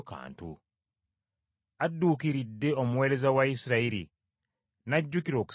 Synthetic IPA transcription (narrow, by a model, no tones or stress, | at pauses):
ka̰ːntṵ | adːuːkiɾidːe̞o̞muwe̞ːɾe̞zawaisiɾaiɾḭ | naɟːukiɾo̞ːku̥